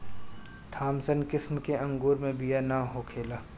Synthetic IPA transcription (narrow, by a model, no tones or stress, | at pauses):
t̪ʰaːmsənkɪsmkeʔɐ̃ŋɡoːɾmẽbijanaɦoːkʰeːlaː